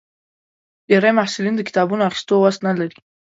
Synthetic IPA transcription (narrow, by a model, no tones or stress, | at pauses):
deɾajmaħsulind̪əkɪ̥t̪ɑbunoaxi̥st̪owast̪nalaɾi